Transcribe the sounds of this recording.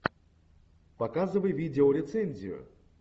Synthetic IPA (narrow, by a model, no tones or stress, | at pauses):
pɐkazɨvəjvʲidʲɪoɾʲɪt̪sɛnʲzʲɪ̰jʊ̰